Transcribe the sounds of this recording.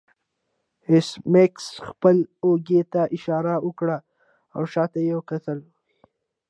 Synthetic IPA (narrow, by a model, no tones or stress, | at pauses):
hɪsmeksxpəloɡet̪aʔɪʃɑɾawʊkɽa | awʃɑt̪ajawkat̪əl | i